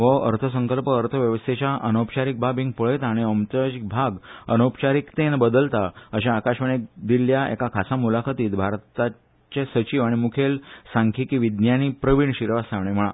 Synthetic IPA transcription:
ʋəə̰ɾt̪ʰəs̬əŋkəlpəːɾt̪ʰəʋjəʋəst̪ʰet͡ɕjaʔənopt͡ɕaɾik̚bʱabĩŋɡ̚pəɭjt̪aaːɽ̃iəmt͡ɕəd͡ʑik̚bʱaɡənopt͡ɕaɾiːkt̪enbəd̪əlt̪aəɕãːkaɕʋəɽ̃ik̚d̪iljaḛkakʰasamulakʰət̪iːt̪bʱaɾt̪a | t͡ɕesət͡ɕiːʋaɽ̃imukʰelsãŋkʰiːkiːʋid̪njanipɾəʋiɳɕiɾʋasaʋɳem̤əɭa

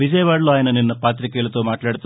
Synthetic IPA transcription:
ʋid͡ʒɐjɐʋaːɽluaːjɐnɐninːɐpaːt̪ɾikeːɭut̪ːoːmaːʈlaːɽt̪ːu

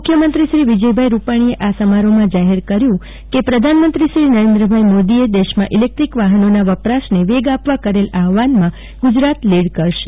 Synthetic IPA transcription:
mmʊkʰjəmənt̪ɾiʃɾiʋid͡ʒəjbʱajɾupaɽ̃ieʔasəmaɾomãd͡ʒaɦeɾkəɾjũ | kepɾəd̪ʱanmənt̪ɾiʃɾinəɾẽnd̪ɾəbʱajmod̪ied̪eʃmãʔilek̚ʈ̪ɾikʋaɦənonaʋəpɾasneʋeɡapʋakəɾelaɦʋanmã | ɡ̥ud͡ʒɾat̪leɽkəɾʃe̥

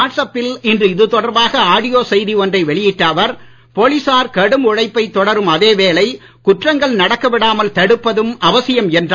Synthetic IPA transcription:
aːʈsɐpːɪlɪndrɯɪðɯt̪ɔɽɐɾbaːɣɐaːɽɪjoːsɛjðiɔndrɐɪʋɛɭɪjɪʈːaːʋɐɾ | poːlɪsaːɾkɐɽɯmʊɻɐɪpːɐɪt̪ːɔɽɐɾɯmɐðeːʋeːlɐɪ | kʊʈrɐŋɡɐɭnɐɽɐkːɐʋɪɽaːmɐlt̪ɐɽɯpːɐðɯmɐʋɐsɪjɐmɛndr

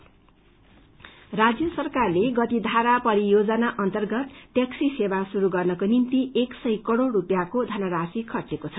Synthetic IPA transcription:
rad͡zjʌsʌrkarleɡʌt̪id̪ʱaɾapʌɾijod͡zʌnaʔʌnt̪ʌrɡʌt̪ːeksisebasuɾuɡʌrnʌkonint̪ieksʌjkʌɽoɾupjakod̪ʱʌnʌɾasikʰʌt͡sekot͡sʰʌ̥

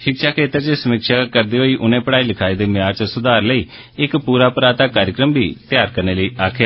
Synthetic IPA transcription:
ʃɪkʃaːkʰeːt̪əɾt͡ʃesəmɪkʃaːkəɾd̪iːɦoːiːʔʊnẽːpəɽaːiːləkʰaːiːd̪eːmɪjaːɾt͡ʃəsʊd̪aːɾləiː | ɪkpuːɾaːpɾaːt̪aːkaːɾjəkɾəmbʱḭːt̪ɪjaːɾkəɾneːləiːaːkʰjaː

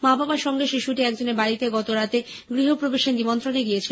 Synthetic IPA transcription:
mababaʃɔŋɡeʃiʃuʈiɛkd͡ʑoneɾbaɾit̪eɡɔt̪oɾat̪eɡɾiɦopɾobeʃend̪imont̪ɾoneɡijet͡ɕʰi

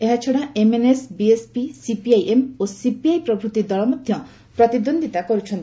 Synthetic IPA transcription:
eɦat͡ʃʰɔɽaʔemenesbiespisipiajʔemosipiajpɾɔbʱɾut̪id̪ɔɭɔmɔd̪ʱjɔ | pɾɔt̪id̪ond̪ʱit̪akɔɾut͡ʃʰɔnt̪ii̥

